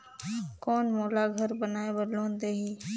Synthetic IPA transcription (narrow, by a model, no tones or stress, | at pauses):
kɔːnmoːlaɡʱəɾbənaːebəlõːnd̪eːɦiː